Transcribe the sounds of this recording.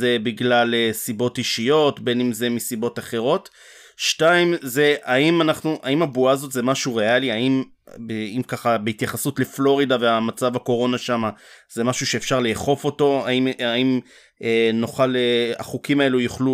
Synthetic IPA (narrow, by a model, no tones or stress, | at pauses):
zebiɡlalesibo̞tiʃijo̞tbe̞nimze̞misibo̞taχe̞ʁo̞t | ʃtaimze̞aimanaχnuʔaimabuazo̞tze̞maʃuʁe̞aliaim | beimkaχabeit̪jaχasutle̞flo̞ʁidaveamat͡savako̞ʁo̞naʃamaze̞maʃuʃeːfʃaʁleχo̞fo̞to̞aimaim | eno̞χalea̰χukimae̞lujuχlu